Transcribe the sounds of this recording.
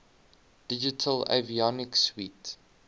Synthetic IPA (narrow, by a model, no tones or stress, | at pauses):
d̥id͡ʒɪtʰəlḛviɔnɪkswiːt